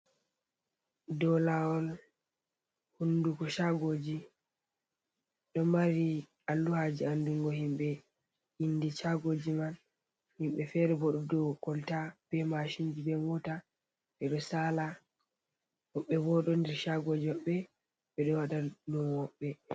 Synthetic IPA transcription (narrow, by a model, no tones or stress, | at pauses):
dɔlaɔl | hundukɔʃaɡoːd͡ʒi | ɗɔmaɾi | alːuhad͡ʒianduŋɡɔhimɓɛ | hinːdit͡ʃaɡod͡ʒiman | himɓɛfɛɾɛbɔɗɔdɔkɔltab̥ɛmaʃind͡ʒibɛmɔta | ɓɛɗɔsaːla | hɔɓːɛbɔɗɔndɛɾʃaɡod͡ʒiɔɓːɛ | ɓɛɗɔwaɗadunwɔɓːɛ